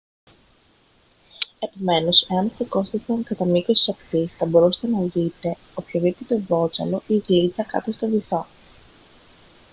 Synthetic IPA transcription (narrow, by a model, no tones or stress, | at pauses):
e̞po̞me̞no̞se̞ɐnst̪oko̞st̪oθɐŋkɐt̪ɐmikosi̥sɐkt̪isθɐbo̞ɾuse̥st̪e̞nɐðit̪e̞ | opço̞vipot̪evo̞t͡sɐ̰lo̞iɣlit͡sɐkɐ̰t̪ost̪oviθo